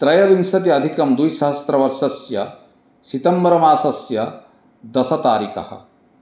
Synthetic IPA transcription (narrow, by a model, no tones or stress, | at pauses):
t̪ɾɐjɐʋinsɐt̪̬iɐd̪ʱikɐmd̪ujʃɐɦɐst̪ɾɐʋɐɾʃɐsjɐ | sit̪ɐmbɐɾɐmaːsɐsjɐ | d̪ɐsɐt̪aːɾikɐ̰hɐ̰̆